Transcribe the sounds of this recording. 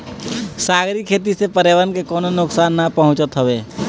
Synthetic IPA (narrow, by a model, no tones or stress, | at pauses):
saːɡɾikʰeːt̪̬isepəɾeːʋəɾnkekɔːnonʊksaːnːapɐɦʊ̃t͡ʃət̪ɦəweː